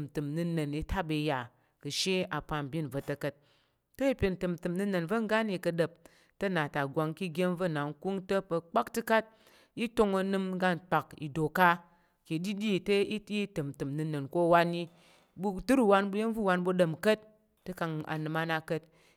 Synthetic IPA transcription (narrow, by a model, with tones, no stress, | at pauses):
m˨tɨ˨mnɨ˧nə˨ni˧tʰa˦bɨ˨ja˨ | kɨ˨ʃe˦a˨pa˧m˨bʲi˦nvə˨tə˧kə˦t̚ | tɐ˦i˦pʲi˨n˨tɨ˨m̩˨tɨ˨mnɨ˧nə˨nvə˦ŋ˦ɡa˦ni˧kɐ˧də˨p̚ | tɐ˦na˨ta˨ɡʷa˧ŋki˦ɡʲe˦n˦və˦˨na˨ŋ̩˦ku˦ŋtə˦pə˧k͡pa˦ktɨ˦ka˦t̚ | i˦to˧ŋɐ˧nɨ˧m˦ɡa˦n̩˨k͡pa˨kḭ˨do˨ka˦ | ki˨˦di˦dʲi˦˨tɐ˦i˦i˦tɨ˨m˨tɨ˨mnɨ˧nə˨nko˦˨wa˦ni˦ | bu˦tɨ˦ɾu˦wa˧nbu˦je˦n˦vu˦˨wa˧nbu˧ɗə˨m˨kə˦t̚ː | ɨ˦ka˧ŋa̰˨nɨ˨ma˧na˧kə˦t̚